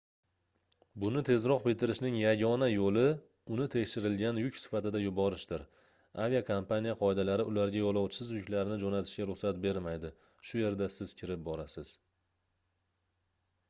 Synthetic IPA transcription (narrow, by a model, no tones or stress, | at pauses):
bʊnɪt̪ʰe̞zɾɒq̚bɪt̪ɪɾɪʃnɪŋjaɡʲɒnajolɪ | ʊnɪt̪ʰekʲʃɪɾɪlɡʲanjʊkʲsɪ̥fat̪ɪd̪ajʊbɒɾɪʃd̪ɪɾ | avijakʰampanijaqʰɒed̪alaɾɪʔʊlaɾɡʲajɒlˠɒwt͡ʃʰɪ̥sɪzjʊkʲlaɾɪnɪd͡ʒonat̪ʰɪʃɡʲaɾʊχsat̪̚be̞ɾmajd̪ɪ | ʃʊje̞ɾd̪asɪz̥kʲʰɪɾɪp̚bɒɾasɪz̥